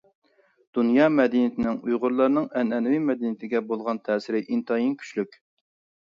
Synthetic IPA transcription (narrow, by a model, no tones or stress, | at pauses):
d̪̥unjɑːmɛd̪init̪ʰɪnɪŋujʁʊɾlˠɑɾnɨŋɛnɛnɪwimɛd̪init̪ʰɪɡʲɛbolˠʁɑnt̪ʰɛːsɪɾɪʔint̪ʰɑjinkʲʰy̥ʃlykʲ